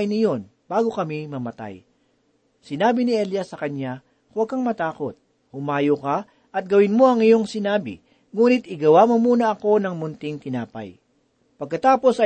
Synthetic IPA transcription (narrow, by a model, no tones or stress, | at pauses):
jnɪjo̞nb̥aːɡo̞kɐmimɐmɐt̪a̰j | sɪnaːbɪnɪʔɛljɐsːɐkɐɲa | kʊwɐɡ̚kɐŋmɐt̪aːko̞t̪̚ | hʊmaːjoka | ʔɐt̪̚ɡɐwɪnmo̞ɐŋɪjo̞ŋsɪnaːbɪ̰ | ŋuːnɪt̪̚ɪɡɐwamomuːnɐʔɐko̞nɐŋmʊnt̪ɪŋt̪ɪnaːpɐ̰j | pɐɡ̚kɐt̪aːpo̞sɐ